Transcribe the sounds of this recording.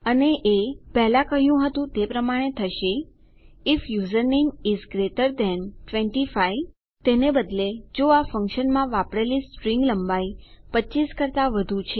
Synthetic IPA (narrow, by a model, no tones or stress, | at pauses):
əneʔepɛɦlãkəɦjũɦət̪ũt̪epɾəmaɽ̃et̪ʰəʃe | ɪfjuzəɾniŋizɡɾeʈəɾd̪ɛnʈʋɛ̃ɳʈifaj | t̪enebəd̪led͡ʒoafə̃ŋkʃənmãʋapɽelispɾĩŋɡləmbajpətːt͡ʃiskəɾt̪aʋəd̪ʱũt͡ʃʰe